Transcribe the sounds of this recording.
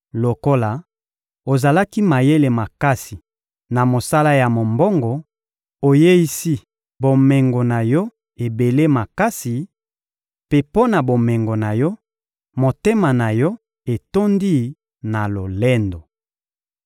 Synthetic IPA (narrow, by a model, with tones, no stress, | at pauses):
lo˨ko˦la˨ | o˨za˨la˦ki˦ma˨je˦le˨ma˨ka˦si˨ | na˨mo˨sa˦la˦ja˨mo˨mbo˦ŋɡɔ˨ | o˨je˦i˦si˦ | bo˨mɛ˨ŋɡo˨na˨jɔ˦ | e˨be˨le˦ma˨ka˦si˨ | pe˦po˦na˨bo˨mɛ˨ŋɡo˨na˨jɔ˦ | mo˨te˦ma˨na˨jɔ˦ | e˨to˦ndi˦ | na˨lo˨lɛ˦ndo˨